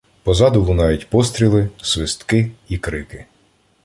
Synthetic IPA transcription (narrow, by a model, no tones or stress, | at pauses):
pɔzɑd̪ʊlˠʊnɑjʊtʲpɔst̪ɾʲilˠɪsʋɪst̪kɪikɾɪkɪ